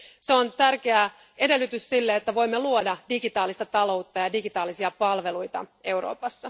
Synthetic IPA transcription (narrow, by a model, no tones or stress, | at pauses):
seont̪ærk̟e̞æ | e̞de̞lːyt̪yssilːeet̪ːæʋo̞jmːeluodɑdiɡit̪ɑːlist̪ɑt̪ɑlo̞wt̪ːɑjɑdiɡit̪ɑːlisiɑpɑlʋe̞lujt̪ɑ̰e̞wɾo̞̰ːpɑsːɑ